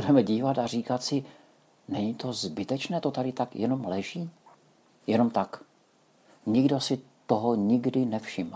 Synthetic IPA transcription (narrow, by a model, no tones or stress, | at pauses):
udɛmɛɟiːvat̪ariːkat̪sɪ | nɛɲit̪o̞zbɪt̪ɛt͡ʃnɛːt̪o̞t̪aɾɪt̪akjɛno̞mlɛʒiː | jɛno̞mt̪ak | ɲɪɡdo̞sɪt̪oɦoɲɪɡdɪnɛfʃɪm